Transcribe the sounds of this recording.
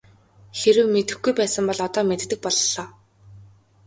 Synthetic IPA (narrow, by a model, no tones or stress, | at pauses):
xeɾɘ̆wmet̪ɘ̆xɡujpæːsə̆mpɔɮɔt̪ɔːmet̪t̪ːɘ̆k̚pɔɮɔː